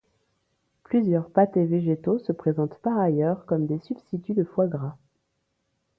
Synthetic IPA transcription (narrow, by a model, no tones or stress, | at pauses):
plyzjœʁpat̪eveʒet̪osəpχezɑ̃t̪paʁajœʁkɔmd̪esybst̪it̪yd̪əfwaɡʁa